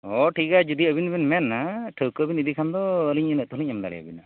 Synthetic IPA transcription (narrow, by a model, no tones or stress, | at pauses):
ɔʈʰikad͡ʒud̪iəbinbinmɛnːaʈʰəwkəbinid̪ikʰand̪ɔəliɲənəʔt̪uɦliɲamd̪a̰lɛ̰ja̰bina